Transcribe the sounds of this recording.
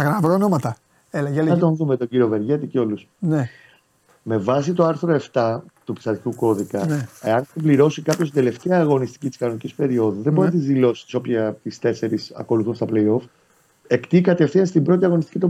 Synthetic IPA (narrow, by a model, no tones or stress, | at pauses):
ɐkɐvɾoonomɐt̪ɐ | elɐlɐt̪onðumet̪oɟiɾio̞ve̞ɾʝet̪iceo̞lusne | me̞vɐs̬it̪oɐɾθɾo̞e̞ft̪ɐt̪upi̥sɐt̪ik̪uko̞ðikɐeɐneibliɾo̞sikɐpçost̪ind̪e̞le̞ft̪eɐːɣo̞nist̪i̥cit̪iskɐno̞nicispe̞ɾio̞ðuðebnt̪izðilo̞si̥si̥so̞pçɐt̪ist̪e̞se̞ɾisɐ̰ko̞luθunst̪ɐplejo̞f | e̞kt̪ikɐt̪e̞ftiɐnst̪imbɾo̞t̪iɐɣo̞nist̪i̥cit̪